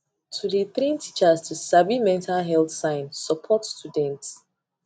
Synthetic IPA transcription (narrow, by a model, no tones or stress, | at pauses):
tʰudiθɾĩntʰit͡ʃastʰusabimɛ̃ntalɦɛlθsãɪ̃nːəpʰɔtstudɛ̃nts